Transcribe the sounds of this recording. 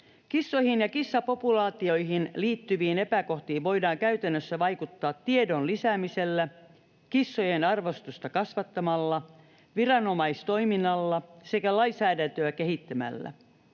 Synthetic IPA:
kisːohinjɑkisːɑpo̞pulɑːt̪io̞jɦinliːt̪ːyʋiːnepæko̞ht̪iːʋʋo̞jdɑːŋkæyt̪ænːøsːæʋɑjkut̪ːɑːt̪ːiedo̞nlisæːmise̞lːæ | kisːojenɑrʋost̪ust̪ɑkɑsʋɑt̪ːɑmɑlːɑ | ʋirɑno̞mɑist̪o̞ijminːɑlːɑse̞kælɑjsæːdænt̪øækeɦit̪ːæmæ̰lːæ̰

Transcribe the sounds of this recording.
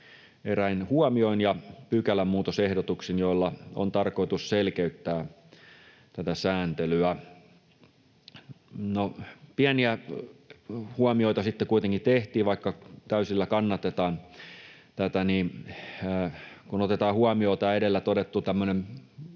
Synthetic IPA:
eræinhuɑmioinjɑpykælæmmuːt̪osehdot̪uksinjoilːɑo̰nt̪ɑrkoit̪usselkeyt̪ːæː | t̪æt̪æsæːnt̪elyæ | nopiæniæ | huɑmioit̪ɑsit̪ːekuit̪eŋkit̪eht̪iːʋʋɑikːɑt̪æysilːækɑnːɑt̪et̪ɑːn | t̪æt̪æniːnː | kunot̪et̪ɑːhuɑmioːt̪æːedelːæt̪odet̪ːut̪æmːønem

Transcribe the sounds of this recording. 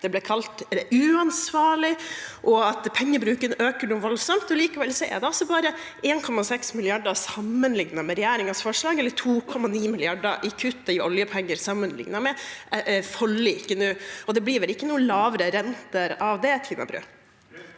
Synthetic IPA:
d̪̥ɛblɛkʰɑlt̪ʉːɑnsʋɑːɭɪʔɔɑt̪pʰɛŋːəbɾʉːkənøːkəɳuːʋɔlsɔmt̪ɔliːkɑʋɛlsɔɛ̰ɾd̪ɛɔsːɔbɑːɾə | ʔeːnkʰɔmːɑsɛksmɪlɪɑɖɑsɑmːənlɪŋnɑmɛɾɛjæːɾɪŋɑsfɔʂlɑːɡɛlːəʈʰuːkʰɔmːɑniːmɪlɪɑɖɑ̰ʔɪkʰʉt̪ːɑʔɔljəpʰɛŋːəɾsɑmːənlɪ̰ŋnɑmɛ | fɔlːɪɪkːənuːɔd̪ɛbliːʋɛlɪkːənuːəlɑːʋɾəɾɛnt̪əɾɑʋd̪ɛt̪ʰiːnɑ̰bɾʉ̰ː

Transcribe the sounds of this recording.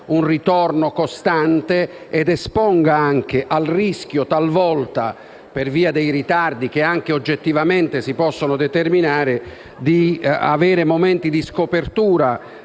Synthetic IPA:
unrit̪ɔrnokost̪ant̪e | ɛd̪ɛspɔŋɡaaŋk̟eʔalrisk̟jot̪alvɔlt̪a | perviːad̪ejrit̪ard̪ik̟eaŋk̟eod͡ʒːet̪ːivament̪esipɔsːonod̪ɛt̪erminaːɾɪ | d̪ia̰veːɾemoment̪id̪iskopert̪uːɾa

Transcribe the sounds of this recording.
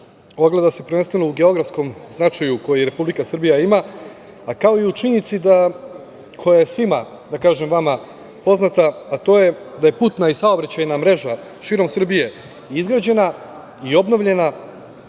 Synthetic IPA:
o̞ɡle̞d̪asepɾ̩venst̪ʋe̞nouɡe̞o̞ɡɾafsko̞mznat͡ʃajuko̞jeɾe̞publikasr̩bijaimaː | kao̞iut͡ʃiɲnit̪sid̪a | kʰo̞jaje̞sʋima | d̪akaːʒe̞mʋama | po̞znat̪aːt̪o̞ːje̞d̪aje̞put̪naisaobɾat͡ɕajnamɾe̞ʒa | ʃiːɾo̞msr̩bije̞ | izɡɾad͡ʑe̞na | io̞bno̞ʋʎe̞na

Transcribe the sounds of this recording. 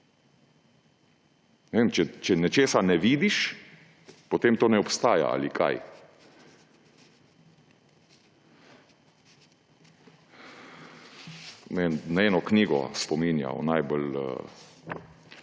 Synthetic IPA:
nɛʋeːmt͡ʃɛt͡ʃɛnɛt͡ʃeːsanɛʋiːd̪iʃ | pɔt̪eːmt̪oːnɛɔpst̪aːja̰a̰likʰa̰j | nennaɛːnɔkniːɡɔ̰spɔminja̰ɔ̰najbolə̰

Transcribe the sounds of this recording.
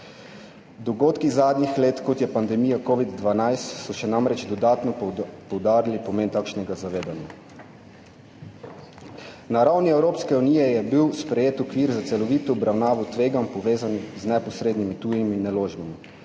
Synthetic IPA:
d̪ɔɡoːt̪kizaːd̪nixleːt̪kɔt̪jɛpand̪ɛmiːjakoːʋid̪ːʋanajst̪sɔʃɛnamɾɛt͡ʃd̪ɔd̪aːt̪nɔpɔwd̪aːɾilipɔmeːnt̪aːkʃnɛɡazaʋeːd̪anja | naɾawniɛwɾoːpskɛuniːjɛjɛbiwspɾɛjeːt̪ɔkʋiːɾzat̪sɛlɔʋiːt̪ɔːbɾʔawnaːʋɔt̪ʋeːɡampɔʋeːzanixznɛpɔsɾeːd̪nimit̪uːjiminːɛloːʒbimi

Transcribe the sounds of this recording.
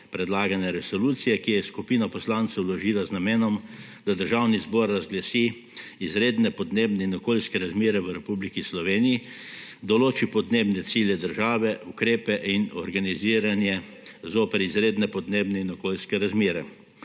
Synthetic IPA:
pɾɛd̪laːɡanɛɾɛsɔluːt̪sijɛkijjɛskupiːnapɔslant̪sɛwlɔʒiːlaznamɛːnɔm | d̪ad̪əɾʒawnizbɔɾːazɡlasiː | izɾeːd̪nɛpɔd̪neːbnɛinɔkoːlskɛɾazmeːɾɛʋəɾɛpublikislɔʋeːnijid̪ɔloːt͡ʃipɔd̪neːbnɛt̪siːlʲjɛd̪əɾʒaːʋɛʔukɾeːpɛʔinɔɾɡaniziːɾanjɛzoːpɛɾizɾeːd̪nɛpɔd̪neːbnɛinɔkoːlʲskɛɾazmeːɾɛ

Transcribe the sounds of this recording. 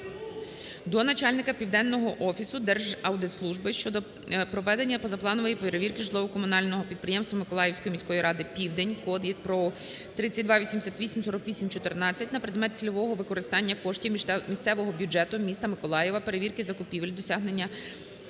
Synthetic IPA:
d̪ɔnɐt͡ʃɑlʲnɪkɐpʲiwd̪ɛnːɔɦɔʔɔfʲisʊd̪ɛrʒɐwd̪ɪt̪slˠuʒbɪʃt͡ʃɔd̪ɔ | pɾɔʋɛd̪enʲːɐpɔzɐplˠɑnʊʋɐjipeɾeʋʲirkɪʒlˠɔʋʊkɔmʊnɑlʲnɔɦɔpʲid̪̚pɾɪjɛmst̪ʋɐmɪkɔlˠɑjewsʲkɔjimʲisʲkɔjiɾʔɑd̪ɪpʲiwd̪enʲkɔd̪ʋʲid̪̚pɾɔ | t̪ɾɪt͡sʲːɐt̚ʲd̪ʋɑʋʲisʲimd̪ɪsʲat̪ʋʲisʲimsɔɾɔkʋʲisʲimt͡ʃɔt̪ernɑt͡sʲːɐtʲnɐpɾed̪mɛt̪̚t͡sʲilʲɔʋɔɦɔʋɪkɔɾɪst̪ɑnʲːɐkɔʃtʲiwmʲisʲt̪sɛʋɔɦɔbʲjʊd͡ʒɛt̪ʊmʲist̪ɐmɪkɔlˠɑjɛʋɐpeɾeʋʲirkɪzɐkʊpʲiʋɪlʲd̪ɔsʲɑɦnenʲːɐ

